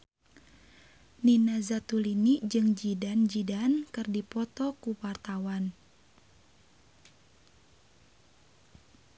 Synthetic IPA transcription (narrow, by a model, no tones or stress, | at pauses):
ninazat̪ulinid͡ʒɨŋd͡ʒidand͡ʒidankɨrdipɔt̪ɔkuwart̪awan